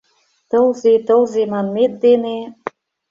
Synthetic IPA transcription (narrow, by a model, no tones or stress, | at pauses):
t̪ɤlzet̪ɤlzemɑnmet̪̚d̪ene